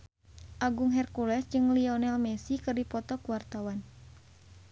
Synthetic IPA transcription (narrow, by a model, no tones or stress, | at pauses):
ʔaɡuŋɦɛrkulɛsd͡ʒɨŋliɔnɛlmɛsikɨrdipɔt̪ɔkuwart̪awan